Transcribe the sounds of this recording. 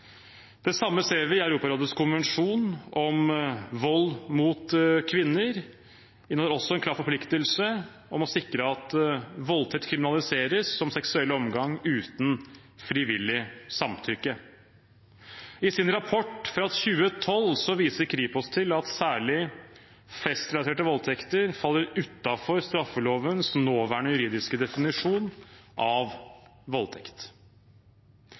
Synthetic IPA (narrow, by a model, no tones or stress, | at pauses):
d̪̥ɛsɑmːəseːɾʋɪɪæʉɾuːpɑɾoːd̪əskʰʊnʋɛnʂuːnɔmʋɔlːmuːt̪kʰʋɪnːəɾ | ɪnəəɾɔsːɔɛnkʰlɑːɾfɔɾpʰlɪkt̪əlsə | ɔmɔsɪkɾəɑt̪ʋɔlt̪ʰɛt̪ːkʰɾɪmɪnɑlɪseːɾəsːɔmsɛksʉɛlːəɔmɡɑŋʉːt̪n̩ | fɾɪʋɪlːɪsɑmt̪ʰʏkːə | ɪsɪnɾɑpʰɔʈːfɾɑt̪çʉːət̪ʰɔlsɔʋiːsəɾkʰɾiːpɔst̪ʰɪlɑt̪sæːɭɪ | fɛst̪ɾɛlɑt̪ʰeːʈəʋɔlt̪ʰɛkt̪əɾfɑlːəɾʉt̪ːɑfɔɾst̪ɾɑfːəloːʋənsnoːʋæːɳəjʉɾiːd̪ɪskəd̪ɛfɪnɪʂuːnʔɑʋʋɔlt̪ʰɛkt̪